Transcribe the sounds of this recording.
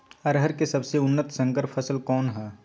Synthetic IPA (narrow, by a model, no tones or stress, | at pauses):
ɐɾɦəɾkesɐbseʊnːət̪sə̃ŋkəɾpʰəsəlkɔːnɦɛː